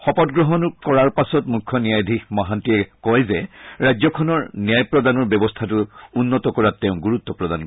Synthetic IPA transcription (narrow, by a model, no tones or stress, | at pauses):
xɔpɔtɡɹɔɦɔnkɔɹaɹpasɔtmukʰːɔnijajd̪ʱikmaɦantiɛkɔjzɛɹajzɔkʰɔnɔɹnijajpɹɔdanɔɹbɛbɔstʰatuunːɔtɔkɔɹatːɛʊ̃ɡuɹut̪ːɔpɹɔd̪an